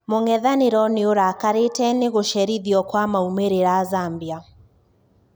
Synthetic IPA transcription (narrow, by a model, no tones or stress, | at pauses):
moŋɛðaneɾɔneoɾakaɾetɛneɣoʃɛɾiðiɔkwamaumeɾeɾazambia